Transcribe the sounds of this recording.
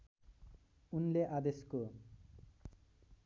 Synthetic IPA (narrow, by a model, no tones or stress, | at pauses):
unleʔad̪esko